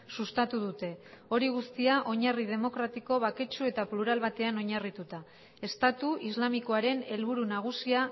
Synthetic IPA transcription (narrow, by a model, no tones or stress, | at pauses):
sust̪at̪uðut̪e̞o̞ɾiɣ̞ust̪iaʔo̞ɲarið̞e̞mo̞kɾat̪iko̞βake̞t͡ʃue̞t̪apluɾalβat̪e̞ano̞ɲarit̪ut̪a | e̞st̪at̪uizlamiko̞aɾe̞ne̞lβuɾunaɣ̞usia